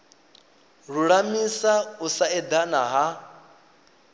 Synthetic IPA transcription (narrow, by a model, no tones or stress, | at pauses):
ɺuɺamisausaɛd̪ana̰ɦa